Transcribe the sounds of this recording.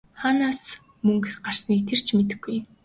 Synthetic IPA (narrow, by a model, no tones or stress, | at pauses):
χaːnaːs | mɵŋkɢar̥sniːkt̪ʰer̥t͡ɕʰmet̪ɘ̆xɡːuj